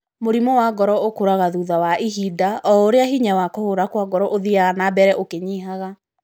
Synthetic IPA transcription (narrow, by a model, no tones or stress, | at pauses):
moɾimɔwaɡɔɾɔokoɾaɣaðuːðawaʔiɦidaʔɔoɾeaɦiɲawakɔhoɾakwaɡɔɾɔʔoðiaɣanabɛɾɛʔokeɲiɦaɣa